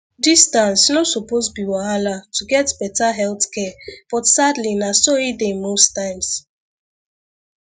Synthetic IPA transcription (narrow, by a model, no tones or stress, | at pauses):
distãnsnosupozbiwɔɦalatʰuɡɛtbɛtaɦɛltkɛb̥ɔtsadlinasoidemostãɪ̃ms